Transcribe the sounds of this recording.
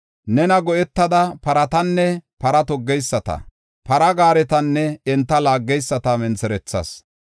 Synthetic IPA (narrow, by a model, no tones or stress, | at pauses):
nɛnɐɡɔʔɛt̪ːɐd̪ɐpɐɾɐt̪ɐnːɛpɐɾɐt̪ɔɡːɛjsːɐt̪ɐ̰ | pɐɾɐɡaːɾɛt̪ɐnːɛɛnt̪ːɐlaːɡːɛjsːɐt̪ɐmɛnsɛɾɛt͡sːɐ̰s